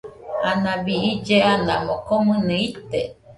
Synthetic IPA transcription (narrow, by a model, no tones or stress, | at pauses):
anãβiid͡ʒeanã̰mokomɨ̃nɨ̃it̪e